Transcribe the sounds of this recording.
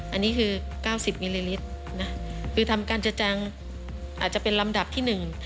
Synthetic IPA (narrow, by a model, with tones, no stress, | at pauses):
ʔa˧nːiː˦˥kʰɯː˧ | kaː˥˩wsi˨˩p̚miː˧liː˧li˦˥t̪̚ | na˦˥kʰɯː˧t̪ʰa˧mkaː˧nt͡ɕa˧t͡ɕa˧ŋ | ʔaː˨˩t͡ɕa˨˩pe˧nla˧mda˨˩p̚t̪ʰiː˥˩nɯ˨˩ŋ